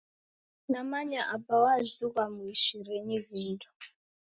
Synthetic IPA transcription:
namaɲaʔabawazukamuiʃiɾeɲiviːndʰu̥

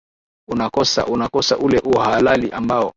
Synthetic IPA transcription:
unakɔsa̰ʔunakɔsaʔulɛʔuɔhalaliʔambaɔ

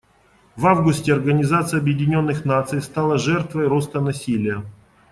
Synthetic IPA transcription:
vavɡʊsʲtʲɪɐrɡənʲɪzat̪sɨjɐbjɪdʲɪnʲo̞nːɨxnat̪sɨjst̪alˠəʐɛrt̪vəjɾo̞st̪ənɐsʲilʲɪjə

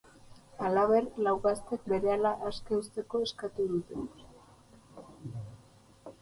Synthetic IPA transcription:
alaβe̞ɾlawɣast̪e̞k̚be̞ɾe̞alaʔaskeust̪e̞ko̞e̞skat̪uðut̪e

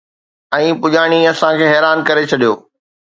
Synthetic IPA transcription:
ɛ̃ːpʊʄaːɽ̃iɐsãkʰeːɦɛːɾaːnkɐɾet͡ɕʰɐɗijoː

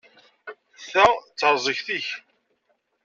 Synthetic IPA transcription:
θæt͡sːəɾˤzˤəçθiç

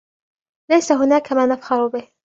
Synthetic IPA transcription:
lajsaɦʊnaːkamaːnafhɑɾʊbɪh

